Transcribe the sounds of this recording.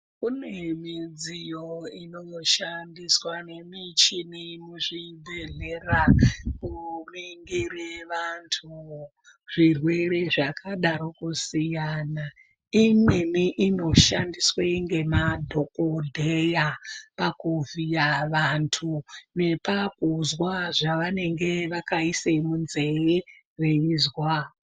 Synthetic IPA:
kunemid͡zijoinoʃandiswane̞mit͡ʃinimuʐibʱeɮerakumiŋɡireʋantʰu | ʐ̥irwe̞re̞ʐakaɗaɾokusijana | imwe̞miʔino̞ʃandisweŋɡe̞madʱo̞kodʱejapakuvijaʋantʰune̞pakuzwaʐaʋane̞ŋɡe̞ʋakaisemunze̞e | reizwa

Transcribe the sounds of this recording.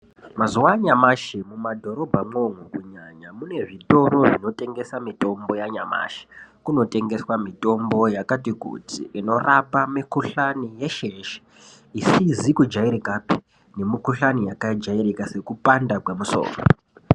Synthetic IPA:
mazuwaɲamaʃemumadʱo̞ɾo̞bʱamo̞ŋukuɲaɲamune̞ʐito̞ɾo̞ʐino̞te̞ŋɡe̞samito̞mbo̞jaɲama̰ʃe̥kuno̞te̞ŋɡe̞swamito̞mbo̞jakatikṵtḭʔino̞rapamikuɬanije̞ʃeʃe̥ | isizikud͡ʒaiɾikapi̥ | ne̞mikuɬanijakaid͡ʒairikase̞kupandakwemuso̰ːko

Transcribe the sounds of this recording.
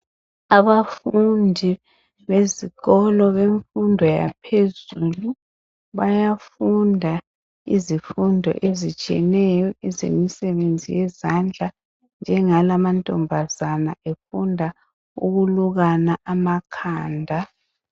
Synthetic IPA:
aβafundʱi | βeziɣɔlɔβeɱfundʱɔja̰pʰezulu | βajafundʱa | ḭzifundʱɔ̰ʔezit͡ʃʼiɛ̰nɛjɔɛzḛmisɛβend͡zʱḭjɛzand͡ɮʱa | nd͡ʒʱɛŋalamantʼɔmbʱazana̰ʔefundʱa | uɣuluɣanaʔamakʰaːndʱa

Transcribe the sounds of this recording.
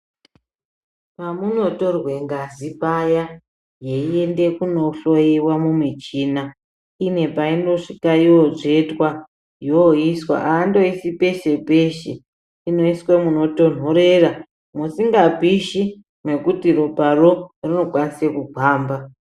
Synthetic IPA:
pamuno̞torwe̞ŋɡazipaja | je̞ie̞nde̞kuno̞ɬo̞jiwamumwit͡ʃiːna | ine̞paindo̞ʂikaioʐetwa | jooiswa̰ʔaːndo̞isipe̞ʃe̞pe̞ʃḛ | ino̞iswemuno̞to̞n̤o̞ɾe̞ra | musiŋɡapiʃi | me̞kutiroparo̞rino̞kwanisekuɡʱaːmba

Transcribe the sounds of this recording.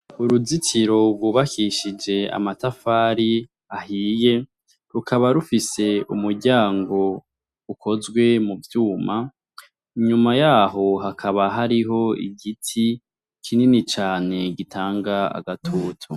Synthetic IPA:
uɾuzitiɾo̞ɡwuːβakiʃid͡ʒe̞a̰matafaːɾi | ahiːje̞ | ɾukʰaβaɾufise̞umuɾɟaːŋɡo̞ | ukʰo̞zɡwe̞muvjuːma | iɲumajaːɦo̞ɦakʰaβaɦaɾiɦo̞ḭɡitʰi | kʰininit͡ʃaːne̞ɡitʰaːŋɡaa̰ɡatʰuːtʰu

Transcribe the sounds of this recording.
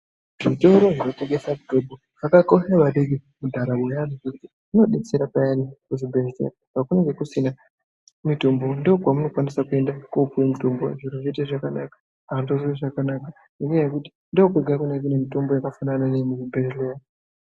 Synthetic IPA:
ʐito̞ɾo̞ʐino̞teŋɡe̞sakutobo | akakoxaʋaɗeɡemudʱaɾawojariʐekuti | ino̞ɗeseɾapajanikuʐibʱesḛɾapakuneŋɡe̞kusina | mito̞mbo̞ndooɡwamuno̞kwanisakue̞ndakupemito̞mboʐiɾoʐiteʐakanakḁ | andoziiʐakanaka | imwejekuti̥ | ndokueɡʱakunekinemito̞mbo̞jakafanananemuibeɾelea

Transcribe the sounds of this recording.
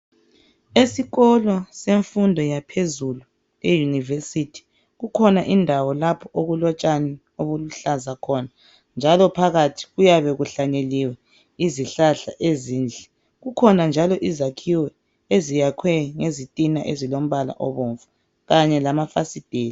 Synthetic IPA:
esiɣɔlɔseɱfundʱɔjapʰezulu | lɛjunivesitʰi̥ | ɣukʰɔnaʔindʱawɔlapʰɔʔoɣulɔt͡ʃʼanɛ | oβuluɬazakʰɔna | nd͡ʒʱalɔpʰaɣatʰi̥ɣujaβɛɣuɬaɲeliwɛ | iziɬaɬa̰ʔeziːnd͡ɮʱɛ | ɣukʰɔnand͡ʒʱalɔʔizakʰiwɛ | ezijakʰwɛŋezitʼinaʔezilom̩βala̰ʔɔβoːɱvu | ɣaɲɛlamafa̰sid̥ʱeːni

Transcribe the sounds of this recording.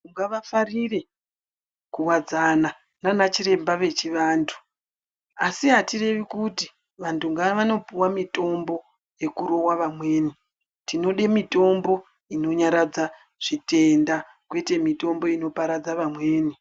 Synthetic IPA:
uŋɡaʋafarire̞ | kuwad͡zana | nanat͡ʃiɾe̞mbaʋe̞t͡ʃiʋaːntʰu̥ | asiɦatire̞ʋikuti | ʋantʰuŋɡaʋano̞piwamito̞mbo̞ | je̞kuɾo̞waʋamwe̞ːni | tino̞ɗemito̞mbo̞ | ino̞ɲaɾad͡za | ʐ̥ite̞nda | kwe̞te̞mito̞mbo̞ino̞paɾad͡zaʋamwe̞ːni

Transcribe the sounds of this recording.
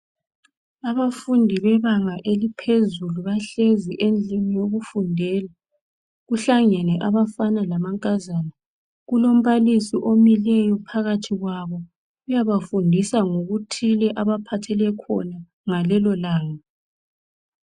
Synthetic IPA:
aβafundʱiβɛβaŋaʔelipʰezuluβaɬeziʔend͡ɮʱinijoɣufundʱɛːla | ɣuɬaŋɛnɛʔaβafanalamaŋkʼazaːna | ɣulom̩βalisiʔomilɛjɔpʰaɣatʰiɣwaβɔ | ɣujaβafundʱisaŋoɣutʰilɛʔaβapʰatʰɛlɛkʰɔ̰na | ŋalɛlɔlaːŋa

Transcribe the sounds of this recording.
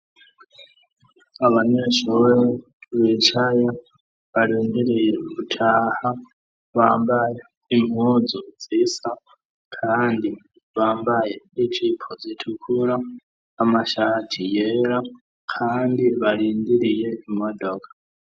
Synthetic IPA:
aβaɲeʃojɛ | βet͡ʃʰaja | βalindiɾijekutʰaha | βambaj | imud͡zɔd͡zisa | kʰandi | βambajɛit͡ʃʰipʰɔd͡zitʰukʰuɾaː | maʃaatʰijeɾa | kʰandiβaɺindiɾijeimɔdokʰḁ

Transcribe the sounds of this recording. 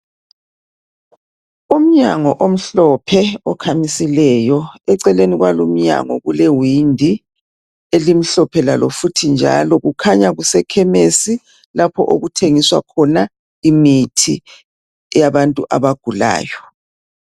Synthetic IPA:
um̩ɲaŋɔʔom̩ɬɔpʰɛɔkʰamisilɛjɔɛǀɛleniɣwalom̩ɲa̰ŋɔɣulewindʱi | elim̩ɬɔpʰɛlalɔfutʰind͡ʒʱa̰lɔɣukʰaɲaɣusɛkʰɛmesi | lapʰɔʔoɣutʰeŋiswa̰kʰɔna | imitʰḭ | jaβantʼuʔaβaɡ̥ʱula̰ːjɔ

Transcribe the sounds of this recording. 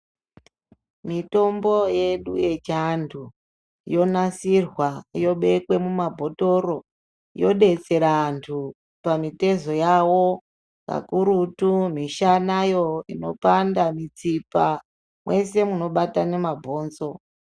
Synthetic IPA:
mito̞mbo̞je̞ɗuje̞t͡ʃantʰu | jo̞nasirwajo̞ɓe̞kwe̞mumabʱo̞to̞ro̞ | jo̞ɗe̞t͡se̞ɾantʰu | pamite̞zo̞jawo̞ | ka̰kuɾutumiʃanajo̞ino̞̰pandamit͡sipa | mwe̞se̞muno̞ɓatane̞mabʱo̞ːnzo̞

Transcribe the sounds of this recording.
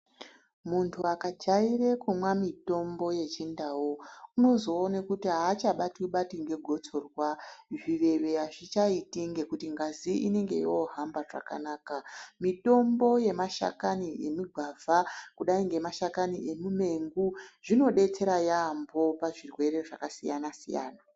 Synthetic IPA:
muntʰuakad͡ʒaire̞kumwamito̞mbo̞je̞t͡ʃindawouno̞zo̞ːnekutiɦaːt͡ʃaɓatiuɓatiŋɡe̞ɡʱo̞t͡so̞rwaʐiʋe̞ʋe̞aʐit͡ʃaitiŋɡe̞kutiŋɡaziine̞ŋɡe̞̰joɦambaʐa̰ka̰naːkamito̞mbo̞je̞maʃa̰kaniemiɡʱavʱakuɗaiŋɡe̞maʃakaniʔe̞mume̞ŋɡuʐino̞ɗe̞t͡se̞ɾajambo̞paʐirwe̞ɾe̞ʐakasijanasḭja̰ːna

